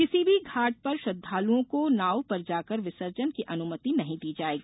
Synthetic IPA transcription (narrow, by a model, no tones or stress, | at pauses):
kɪsibʱiɡʱaːʈ̚pɐɾʃɐd̪ʱːaːlũõkonaːwpɐɾd͡ʒaːkɐɾʋɪsəɾd͡ʒənkiʔɐnʊmət̪inɐɦĩd̪iːd͡ʒaːeːɡiː